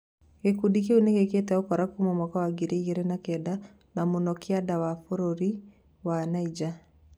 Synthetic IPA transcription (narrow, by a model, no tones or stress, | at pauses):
ɣekudik̬euneɣeketɛokɔɾakumɔmakɔwaɡeɾeiɣeɾɛnakɛda | namonɔkeadawafoɾoɾi | wanaid͡ʒa